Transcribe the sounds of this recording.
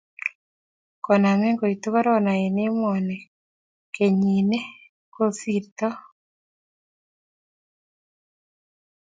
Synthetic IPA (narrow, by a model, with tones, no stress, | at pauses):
kɔ˨na˨ŋe˦ŋɡo˨i˨tu˦ɣa˦ɾo˦na˨je˨ne˦mɔ˨ne˨ | ke˨ɲi˨ne˦ | ko˦si˨ɾtɔ˦